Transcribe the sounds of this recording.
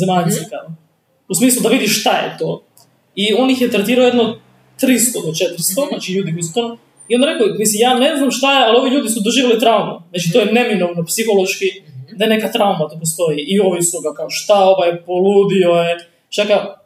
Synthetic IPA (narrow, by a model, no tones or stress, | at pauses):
zemaʎseka | usmiːslud̪aʋid̪iʃʃt̪ajḛt̪oː | io̞nixjet̪ɾet̪iːɾaojed̪nod̪ | t̪ɾist̪od̪ot͡ʃet̪ɾ̩st̪o̞znaːt͡ʃiʎuːd̪ikojisu̥t̪ono | iond̪aɾekomisimjaːne̞znamʃt̪ajealio̞ʋiʎuːd̪isud̪oʒiːʋelit̪ɾauma̰zaːt͡ʃit̪ojene̞minoʋnopsixo̞lˠoʃkid̪ajene̞kat̪ɾaumat̪opost̪o̞jiʔio̞ʋisuɡakaoʃt̪aoʋajpoluːd̪ioje | t͡ʃaka